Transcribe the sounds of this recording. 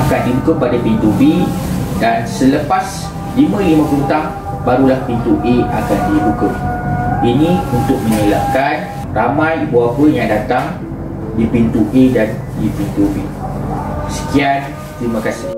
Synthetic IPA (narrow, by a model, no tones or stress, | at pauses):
akandibukəpadapint̪ube | dansələpas | limə̃limə̃pəɾut̪aŋ | baɾulahpint̪uʔeakandibukəʔinĩunt̪ʊk̚mə̃ɲəla̰ʔ̚kan | ramãjbuapəjaŋdat̪aŋ | dipint̪uʔedan | dipint̪ube | sə̥kian | t̪ɾimãkasɪ̥h